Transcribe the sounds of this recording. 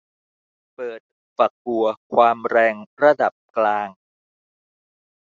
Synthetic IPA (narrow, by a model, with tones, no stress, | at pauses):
pɤː˨˩t̪̚ | fa˨˩k̚hu˨˩ɐkʰwaː˧mɾɛː˧ŋɾa˧da˨˩p̚klaː˧ŋ